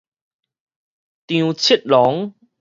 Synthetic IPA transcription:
t̪ĩ˧u˧t͡ɕʰi˦˥t̚lɔ˨˦ŋ

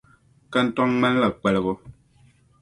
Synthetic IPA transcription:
ka˦n̩˦tɔ˦ŋmɛ˦n˦la˨k͡pɛ˨lə˨ɣo˦

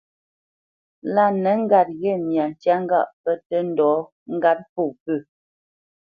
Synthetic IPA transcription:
la˦˨nə˨˦ŋ̩˦ɡa˨t̚ɣɛ˦˨nja˨n˨t͡ʃja˦ŋ˦ɡa˦˨ʔpə˦tə˦n̩˦dɔː˨˦ | ŋ̩˦ɡa˦t̚po˦˨pə˦˨

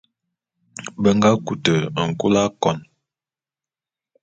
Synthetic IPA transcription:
bə˦ŋɡa˦ku˨tə˨ŋ̩˨ku˦la˦kɔ˨n

